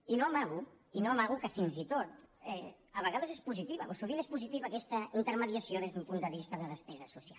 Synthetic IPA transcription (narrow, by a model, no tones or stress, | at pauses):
inoamaɣu | inoəmaɣukəfinzit̪ot̪ɛ | əβəɣaðəzespuzit̪iβə̰ʔosuβinespuzit̪iβəːkɛst̪əint̪əɾməðiəsjoðezðumpund̪əβ̞ist̪əðəðəspɛzəsusia̰l